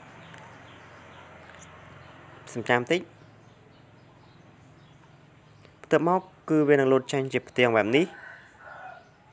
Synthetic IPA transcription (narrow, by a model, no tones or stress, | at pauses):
sɑmt͡ɕamt̪ɨc̚ | pʰt̪ɨk̚mɔɔkːɨːʋiənɨŋluːt̪̚t͡ɕəɲt͡ɕiəpʰt̪ɛ̆əŋɓɛɛp̚nih